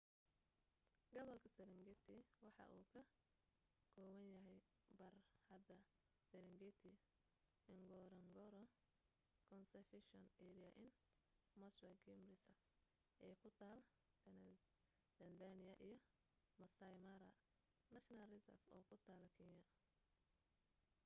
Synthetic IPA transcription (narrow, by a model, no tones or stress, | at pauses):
ɡ̥ɐβɐlkʰɐsɛɾɪŋɡɛt̪ʰɪwɑħɑ̰ʔuːkʰɐ | kʰɔːwɐnjɐɦɛj | bɐrhɐd̪ɐ | sɛɾɪŋɡɛt̪ʰɪ | ɪŋɡɔːɾɐŋɡɔɾɔ | kʰɔnsɛfɪʃɔnɛɾijɐʔɪn | mɐswɐɡɛmrɪsɐf | ʔɛːkʰʊt̪ʰaːl | t̪ɐnd̪anɪjɐʔijɞ | mɐsɐjmɐɾɐ | nɐʃnɐrɪsɐ̰fɔːkʰʊt̪ʰaːlkʰinɐ